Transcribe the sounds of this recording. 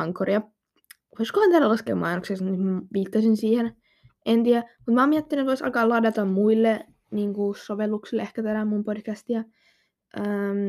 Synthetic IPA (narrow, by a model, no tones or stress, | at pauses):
ɑŋkoriɑ | ʋoiskohɑnt̪ælælɑskḛːmɑ̰inoksesnyt̪mʋiːt̪ːɑsinsiːhen | ʔent̪iæmut̪mæɑoːmiæt̪ːinyet̪oisɑ̰kɑːlɑːdɑt̪ɑmmuilːe | niːŋkusoʋelːuksilːehkæt̪ænæmumpodkæst̪iɑ | ʔəm